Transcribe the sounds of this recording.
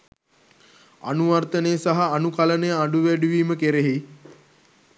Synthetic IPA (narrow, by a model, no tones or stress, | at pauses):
a̰nuʋart̪ənejəsaɦaːnukalənəjəaɖuʋæɖuʋiːməkeɾeɦi